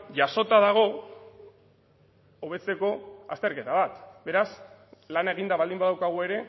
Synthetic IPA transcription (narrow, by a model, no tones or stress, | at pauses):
ʝaso̞t̪aðaɣ̞o̞ | oβ̞e̞t͡se̞ko̞a̰st̪e̞ɾke̞t̪aβat̪be̞ɾas | lanae̞ɣ̞ind̪aβald̪imbaðawkaɣ̞ue̞ɾe̞